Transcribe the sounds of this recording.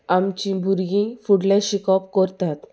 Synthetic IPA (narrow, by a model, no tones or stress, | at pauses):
amt͡ɕĩbʱuɾɡĩfuɽlaɕikɔpkɔɾt̪at̪